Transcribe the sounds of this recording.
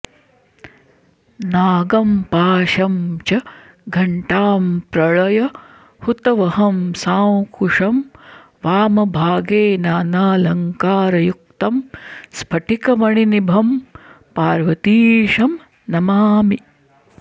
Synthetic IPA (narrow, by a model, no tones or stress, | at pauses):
naːɡɐmpaːʃɐmt͡ʃɐ | ɡʱɐɳʈaːmpɾɐɭɐjɐ | hut̪ɐʋɐɦɐmsaːwkuʂɐm | ʋaːmɐbʱaːɡeːnaːnaːlɐŋkaːɾɐjuk̚t̪ɐmspʰɐʈʰikɐʋɐɳinibʱɐm | paːɾʋɐt̪iːʂɐm | nɐmaːmi